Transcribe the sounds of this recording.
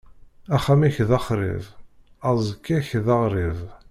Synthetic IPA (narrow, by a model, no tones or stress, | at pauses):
æχæmiçðɑχɾˤɪ̰v | ɑzˤkːiçðɑʁɾˤiv